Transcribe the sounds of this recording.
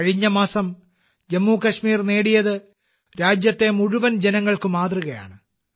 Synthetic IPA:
ɐɻiɲːɐmaːsɐm | d͡ʑemːuːkɐɕmiːrneːɽijɐðɨ | ɾaːd͡ʑjɐt̪ːe̞muɻuʋɐnd͡ʑenɐŋːɐɭkɨmaːd̪ruɣɐja̰ːɳɨ

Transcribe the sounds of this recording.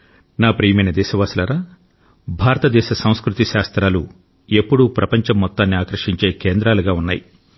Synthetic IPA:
naːpɾiːjɐmɐjnɐd̪ɛːʃɐʋaːsulɐɾaː | bʱaːɾɐt̪ɐd̪ɛːʃɐsɐ̃w̃skɾut̪iʃaːst̪ɾaːlṵ | e̞pːuɽupɾʔɐpɐɲt͡ʃɐmːɔt̪ːaːnːiaːkɾɐʂiɲt͡ʃe̞ːkeːnd̪ɾaːluɡaːunːaːji

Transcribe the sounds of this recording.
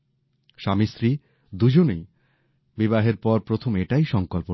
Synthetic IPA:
ʃamisɾi | d̪ud͡ʑonej | bibaɦeɾpɔɾpɾot̪ʰomeʈajʃɔŋkolpo

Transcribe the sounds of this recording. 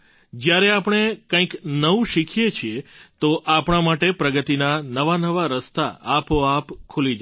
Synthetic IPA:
d͡ʒjaɾeapɳ̃ekãĩknəʋũʃikʰjet͡ʃʰiet̪oʔapɳ̃amaʈepɾəɡət̪inanəʋanəʋaɾəst̪a̰ːpoapkʰulid͡ʒa

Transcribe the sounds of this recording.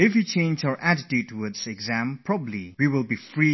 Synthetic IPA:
ɪfwit͡ʃʰẽɪ̃nd͡ʒə˞ʔædɪtʉtəwədsɨɡzæ̃mpʰɹ̥ɑbəbliwiwɪlˠbifɹi

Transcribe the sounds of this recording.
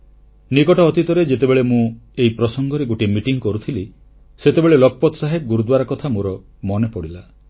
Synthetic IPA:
nikɔʈɔːt̪it̪ɔɾed͡ʒet̪ebeɭemũeipɾɔsɔŋɡʱɔɾeɡoʈimiʈiŋkɔɾut̪ʰili | set̪ebeɭelɔk̚pɔt̪ɔsaɦep̚ɡuɾud̪waɾɔkɔt̪ʰamoɾɔ | mɔnepɔɽila

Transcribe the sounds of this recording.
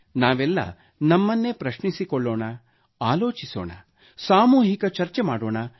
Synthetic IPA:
naːʋɛlːɐ̰ | nɐmːɐnːepɾɐʃɳisikɔɭːoːɳɐ | aːloːt͡ʃiso̰ːɳɐ̰ | saːmuːɦikɐt͡ʃɐɾt͡ʃemaːɽoːɳɐ

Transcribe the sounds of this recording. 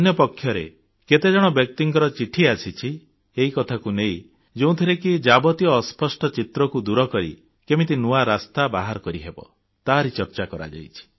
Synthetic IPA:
njɔpɔkʰːjɔɾḛ | ket̪ed͡ʒɔɽ̃ɔbjɔk̚t̪iŋkɔɾɔt͡ʃiʈʰiasit͡ʃʰi | eɦikɔt̪ʰakunej | d͡ʒeũt̪ʰiɾekid͡ʒabɔt̪ijɔːspɔsʈɔt͡ʃit̪ɾɔkud̪uɾɔkɔɾḭ | kemit̪̬inuaɾast̪abaɦaɾɔkɔɾiɦebɔ̰ | t̪aɦɾit͡ʃɔɾt͡ʃakɔɾa̰d͡ʒa̰jt͡ʃʰi̥

